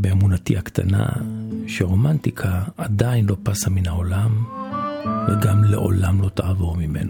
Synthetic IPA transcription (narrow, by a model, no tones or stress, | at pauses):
beemunatihakt̪a̰na̰ʃeʁo̞mant̪ikʰaːdainlo̞pasaminhao̞lam | veɡamlḛʔo̞̰lamlo̞taavoʁmime̞̰na